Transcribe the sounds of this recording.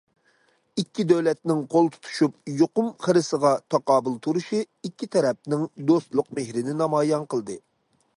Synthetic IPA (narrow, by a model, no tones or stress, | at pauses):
ikʲʰːid̪øwlɛt̪nɪŋqʰolˠt̪ʰu̥t̪ʰu̥ʃup̚joqʊmχəɾɨsəʁɑt̪ʰɑqɑːbulˠt̪ʰuɾuʃi | ikʲʰːit̪ʰɛɾɛp̚nɪŋd̪ost̪lˠʊqmehɾɪnɪnɑmɑːjɑnqəlˠd̪ɨ